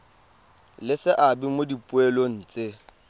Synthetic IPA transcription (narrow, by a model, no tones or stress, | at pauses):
lɪsɪʔabimodipʼʊɛlon̩ːt͡sʼe